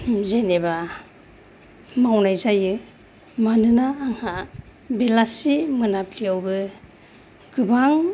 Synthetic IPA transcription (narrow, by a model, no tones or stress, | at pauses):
zeneba | mawnajzajɯ | manɯnaːŋha | belasimɯnapliawbɯ | ɡ̥ɯbaŋ